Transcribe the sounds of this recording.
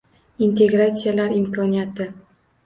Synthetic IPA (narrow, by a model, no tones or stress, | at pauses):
int̪e̞ɡɾat̪sʲɪjalaɾɪmkʰɒnijat̪ɪ